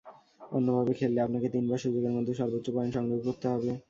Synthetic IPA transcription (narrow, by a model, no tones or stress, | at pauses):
onːobʱabekʰelːeapnaket̪inbaɾʃud͡ʑoɡeɾmɔd̪ʱːoʃɔɾbot̪ːʃopaenʃɔŋɾobokoɾt̪eɦɔbe